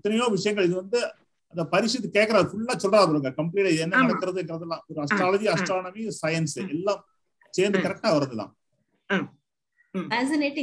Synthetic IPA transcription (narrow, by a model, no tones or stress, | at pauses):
ɐt̪ːɐnɐjoːʋɪʂɐjɐŋɡɐɭɪðɯʋɐnd̪ɯ | ɐnðd̪ɐpɐɾɪʂɪt̪̬ːɯkeːʈkːɐɾaːðɯfʊɭːaːsɔlːɾaːɐpɔlɐŋɡɐkɐmp̬liːʈaːɪðɯɛnːɐnɐɽɐkːɯɾɐðɯɛnɡɪɾɐðɐlːãːɔɾɯɐsʈɾaːlɐd͡ʒiɐsʈɾaːnɐmisɐjɐnsɛlːãː | seːnd̪ɯkɐɾɛk̚ʈaːʋɐɾɐðɐlːa̰ː | ɛːsɪneːʈːɪ